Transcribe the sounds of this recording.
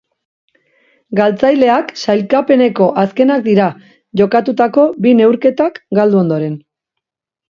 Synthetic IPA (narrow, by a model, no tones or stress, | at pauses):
ɡalt͡sajle̞aksajlkape̞ne̞ko̞ʔaske̞nak̚d̪iɾa | ʝo̞kat̪ut̪ako̞bine̞wɾke̞t̪akɡald̪uo̞nd̪o̞ɾe̞n